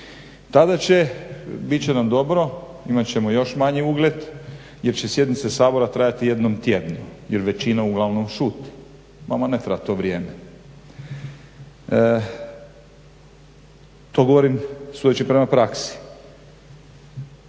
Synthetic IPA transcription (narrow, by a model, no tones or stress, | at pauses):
t̪ad̪at͡ɕe̞bit̪̚t͡ɕenamd̪o̞bɾo̞ | imat͡ɕe̞mojo̞ʃmaɲiuɡlʲed̪ | jeɾt͡ɕesje̞d̪nit̪sesaːbo̞ɾat̪ɾajat̪ije̞d̪nomt̪jed̪nujeɾʋet͡ɕinauɡlˠaʋno̞mʃuːt̪i̥ | mamanet̪ɾabat̪o̞ːʋɾʲijeːme | t̪oɡo̞ʋoɾimsud̪et͡ɕipɾemapɾaksi̥